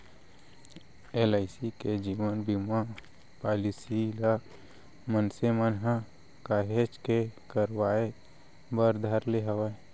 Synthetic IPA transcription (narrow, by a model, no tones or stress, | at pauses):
elaɪsiked͡ʒiːʋənbima | paːlisila | mənsemənɦə | kaːɦed͡ʒkekəɾwaːe | bəɾd̪ʱaɾleɦəʋa